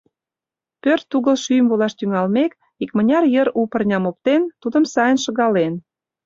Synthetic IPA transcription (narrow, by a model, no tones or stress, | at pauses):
pørt̪ːuɣəlʃyjəmvolɑʃt̪yŋɑlmek | ikmə̆nʲɑrjəɾupə̆rnʲɑmop̚t̪ent̪ud̪əmsɑjənʃə̆ɣɑlen